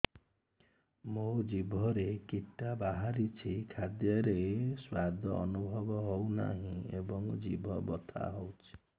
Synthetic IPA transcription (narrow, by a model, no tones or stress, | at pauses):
mod͡ʒibʱɔɾekiʈːabaɦaɾit͡ʃʰikʰad̪jɔɾeswad̪ʱɔːnubʱɔbɔɦowna̰ɦĩebɔŋd͡ʒibʱɔbɔt̪ʰa̰ɦowt͡ʃʰi̥